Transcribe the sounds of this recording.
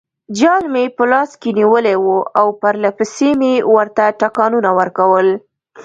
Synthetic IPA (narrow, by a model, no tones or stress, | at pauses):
d͡ʒɑlmepəlɑskeniwəlewuawpaɾlapəsemewəɾt̪aʈakɑnunawəɾkawəl